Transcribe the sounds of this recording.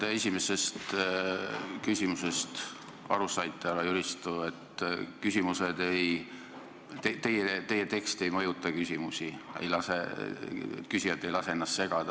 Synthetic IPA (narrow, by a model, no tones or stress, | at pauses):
t̪eesʲime̞se̞st̪ | kysʲimuse̞st̪ | ɑ̰ɾusɑjt̪ːˑelɑjyɾist̪ue̞t̪ːkysʲimused̪̥e̞j | t̪et̪e̞jet̪e̞jet̪e̞kst̪e̞jmɤjut̪ːˑɑkysʲimusʲiḛjlɑsḛ | t̪kysiɑt̪ːˑe̞jlɑse̞e̞nːɑst̪se̞ɡ̥ɑd̪̥ɑ